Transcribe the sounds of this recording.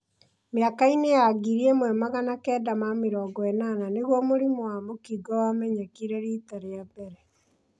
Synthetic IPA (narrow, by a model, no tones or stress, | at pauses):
meakainejaɡiɾiemwɛmaɣanakɛːdamamiɾɔːɡɔɛnananeɣwɔmoɾimoamokiɡɔwamɛɲakiɾɛɾitaɾeabɛɾɛ